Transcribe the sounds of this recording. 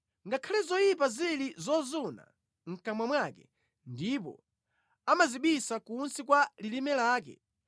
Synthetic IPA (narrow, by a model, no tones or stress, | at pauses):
ŋɡakʰalɛzɔjip̬azilizɔzuna̰ | ŋ̩kamwamwakɛ | ndipɔ̰ | amaziɓisakunsikwalilimɛlaːk̬ɛ̰